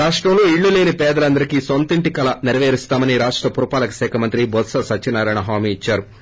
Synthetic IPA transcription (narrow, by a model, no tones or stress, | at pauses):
aːʂʈɾɐmloːiɭːuleːnipɛːd̪ɐlɐnd̪ɐɾikisont̪iɳʈikɐlɐniɾɐʋeːɾist̪aːmɐniɾaːʂʈɾɐpuɾupaːlɐkɐsɛːkʰɐmɐnt̪ɾibɔt̪sɐsɐt͡ʃːt͡ʃːinaːɾaːjɳɐɦaːmiːt͡ʃːaːɾu